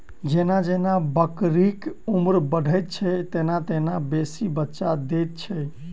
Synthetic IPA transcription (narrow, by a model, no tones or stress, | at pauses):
d͡ʒenad͡ʒenabəkɾikumɾbəɖʱəjt̪̚t͡ʃʰɛt̪enat̪enabesibətːʃad̪et̪̚t͡ʃʰɛ